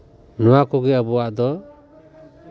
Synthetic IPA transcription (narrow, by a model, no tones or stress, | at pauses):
nɔwakɔɡɛabuwaʔd̪ɔ